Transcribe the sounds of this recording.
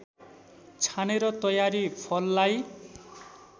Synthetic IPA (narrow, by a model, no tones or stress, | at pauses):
t͡sʰaneɾʌt̪ʌjaɾipʰʌlːaj